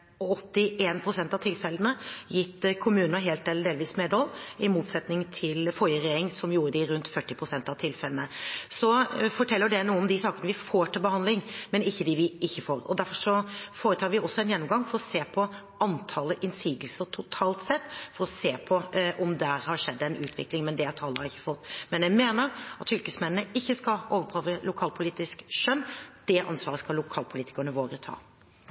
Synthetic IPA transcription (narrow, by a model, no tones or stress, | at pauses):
ɔɔt̪ːɪʔeːnpʰɾʊsɛnt̪ɑʋt̪ʰɪlfɛlːənəjɪt̪ːkʰʊmʉːnnəɦeːlt̪̚ɛləd̪eːlʋiːsmed̪ɔlɪmuːt̪sɛt̪nɪŋt̪ʰɪlfɔʏəɾɛjeːɾɪŋsɔmjuːɾəd̪ɪɾʉnt̪fœʈːɪpʰɾʊsɛnt̪ɑʋt̪ʰɪlfɛlənəsɔfɔʈʰɛlːəɖɛnuːəɔmd̪ɪsɑːkənəʋɪfoːʈɪlbəhɑnd̪lɪŋmɛnɪçːəd̪ɪʋɪʔɪçːəfoːɾɔ̰d̪æɾfɔʂɔfoːɾət̪ʰɑːɾʋɪɔsːɔɛnjɛnːɔmɡɑŋfɔɾɔseːpʰɔ | ɑnt̪ʰɑləʔɪnsiːɡ̪lsəɾʈ̪ʰʊt̪ʰɑːlt̪sɛt̪ːfɔɾɔseːpʰɔʔɔmd̪æɾhɑɾʂɛd̪ːɛnʉːt̪ʰʋɪ̰klɪŋmɛnd̪ɛt̪ʰɑːləhɑɾɪçːə̥fɔt̪ːmɛnɛmeːnəɾɑt̪fʏlkəsmɛnənəɪçːəskɑoːʋəɾpʰɾɑːʋəlʊkʰɑːlpʰʊliːt̪ɪskʃœnːd̪̥ɛʔɑ̰nsʋɑːɾəskɑlʊkʰɑːlpʰʊliːt̪ɪ̥kəɳəʋoːɾət̪ʰɑ̰ː